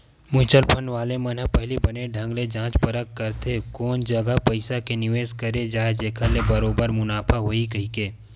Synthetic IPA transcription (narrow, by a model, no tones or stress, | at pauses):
mʊ̃ɪt͡ʃəlpʰənʋaːlemɐnɦəpɛɦlibɐneɖʱɐ̃ŋɡled͡ʒãːt͡ʃpəɾəkːəɾt̪ʰekɔːnd͡ʒɐɡəɦpɐɪsakenɪʋeːzkɐɾed͡ʒaːed͡ʒeːkʰalebɐɾoːbəɾmʊnaːpʰaɦoːikɐɦikeː